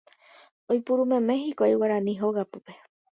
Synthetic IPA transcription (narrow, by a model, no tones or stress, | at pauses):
ojpuɾumẽ̞mẽ̞ɦikʷoaiwaɾãnĩɦoɣapupe